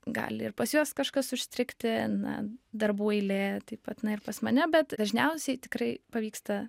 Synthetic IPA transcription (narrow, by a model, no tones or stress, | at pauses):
ɡɑ̰ːlʲɪɪrpɐsjuɔskɐʃkɐsʊʃʲsʲt̪ʲɾʲɪkt̪ʲɪnɐ̰d̪ɐrbuːɛɪlʲeːt̪ɐɪpɐt̪nɐɪrpɐsmɐnʲɛbʲɛt̪d̪ɐʒʲnʲɛʊsʲɛɪt̪ʲɪkrɐɪpɐʋʲiːkst̪ɐ